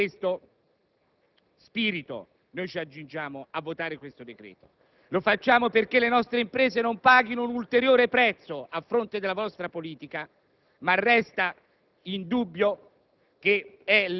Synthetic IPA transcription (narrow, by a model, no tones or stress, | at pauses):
west̪o | spiːɾit̪o̰ | nojt͡ʃiad͡ʒːund͡ʒaːmoavːot̪aːɾekwest̪od̪ekɾɛ̰ːt̪o̥ | lofat͡ʃːaːmoperkelːenɔst̪ɾeimpɾɛːzenompaːɡinounult̪eɾjoːɾepɾɛt̪sːoafːɾont̪ed̪elːavɔst̪ɾapoliːt̪ika | marːɛst̪a | ind̪ubːjo | k̟eɛ